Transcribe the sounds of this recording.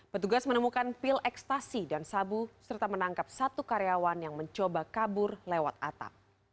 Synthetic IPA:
pət̪uɡasmənəmukanfɪlʔɛkst̪asidansabusərt̪amənaŋkap̚sat̪ukaɾeawanjaŋməɲt͡ʃobakabʊrlewat̪a̰t̪a̰p̚

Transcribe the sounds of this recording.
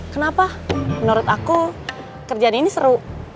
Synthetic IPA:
kənapamənuɾɔt̪aku | kərd͡ʒaːninisəɾu

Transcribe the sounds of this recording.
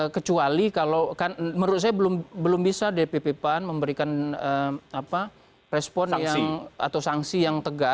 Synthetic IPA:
əkət͡ʃualikalowkanməɾʊt̪̚sajabəlʊmbəlʊmbisadepepepanməmbəɾikanəapa | pɾɛspɔnjaŋa̰t̪awsaŋsijaŋt̪əɡa

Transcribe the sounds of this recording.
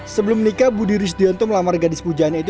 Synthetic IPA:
səbəlʊmənikabudiɾɪs̬d̪iɔnt̪uməlamarɡadɪspud͡ʒaanit̪̬

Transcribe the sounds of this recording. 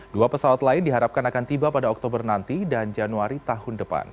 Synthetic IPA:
duapəsawat̪laɪndiɦaɾap̚kanakant̪ibapadaɔk̚t̪obərnant̪idand͡ʒanuaɾit̪aɦʊndəpa̰n

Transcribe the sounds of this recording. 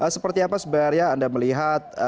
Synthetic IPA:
ʔəsəpərt̪iapasəbaarɲaːndaməliɦat̪̚

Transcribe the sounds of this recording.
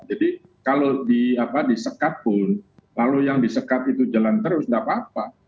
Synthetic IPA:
d͡ʒadi | kalodiapadisəkat̪̚pʊnlalujaŋdisəkat̪it̪ud͡ʒalant̪əɾʊsŋɡapap̚a

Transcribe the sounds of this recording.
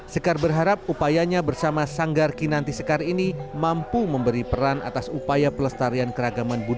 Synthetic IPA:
səkarbərɦaɾap̚upajaɲabərsamasaŋɡarkinant̪isəkarinimampuməmbəɾipəɾanʔa̰t̪asupajapələst̪aɾiankəɾaɡamanbud

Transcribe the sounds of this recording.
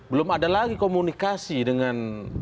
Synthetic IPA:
bəlʊmadalaɡikomunikasidəŋan

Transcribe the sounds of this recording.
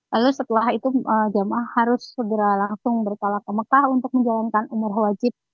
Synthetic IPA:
lalusət̪əlahit̪uəd͡ʒamahaɾʊsːəɡəɾalaŋsʊŋbərt̪alakəməkahunt̪ʊk̚məɲd͡ʒalankanumʊrahwad͡ʒɪp̚

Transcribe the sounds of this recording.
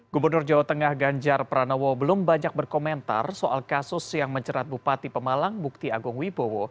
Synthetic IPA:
ɡ̥ubərnʊrd͡ʒawat̪əŋahɡaɲd͡ʒarpəɾanowɔbəlʊmbaɲak̚bərkoment̪a̰rsoʔa̰lkasʊsjaŋməɲt͡ʃəɾat̪̚bupat̪ipəmalaŋbuk̚t̪iaɡʊŋwibowɔ

